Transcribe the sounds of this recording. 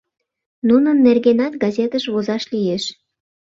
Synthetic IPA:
nunənːerɣenɑt̪̚ɡɑzʲet̪əʃβozɑʃlijeʃ

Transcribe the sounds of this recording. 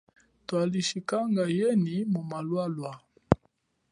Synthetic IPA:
twaliʃikaŋɡajɛnimumalwalwa

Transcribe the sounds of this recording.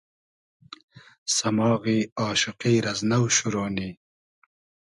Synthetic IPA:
sɐmɑːɣiːɑːʃʊqiːɾɐznɐwʃuɾoːni

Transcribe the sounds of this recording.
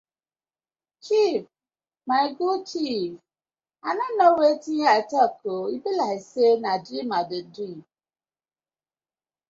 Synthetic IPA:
t͡ʃip̚ | maɪɡut͡ʃif | ananowetiɲatakʰoibilaisenadɾimadedɾi

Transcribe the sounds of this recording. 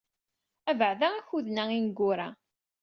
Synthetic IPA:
ævəʕðæçuðnæinɡʊɾa

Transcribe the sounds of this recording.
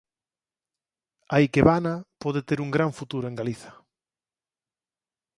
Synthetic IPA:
ajkeβanapoðet̪eɾuŋɡɾaɱfut̪uɾoeŋɡaliθḁ

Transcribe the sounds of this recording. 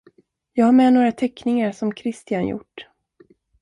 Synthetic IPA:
jɑːɡhaɾmɛnoːɾat̪ʰɛkːnɪŋaɾsɔmkʰɾɪst̪ɪanjʊ̰ʈː

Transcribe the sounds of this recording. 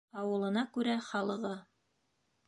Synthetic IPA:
ɑwɤ̆lˠɤ̆nɑkʉɾæχɑlˠɤ̆ʁɤ

